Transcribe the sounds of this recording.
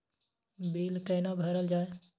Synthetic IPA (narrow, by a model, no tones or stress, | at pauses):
biːlkəɪnabʱəɾəld͡ʒaːe